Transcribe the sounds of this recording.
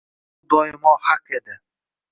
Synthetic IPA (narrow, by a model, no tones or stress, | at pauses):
d̪ɒjɪmɒhaqed̪ɪ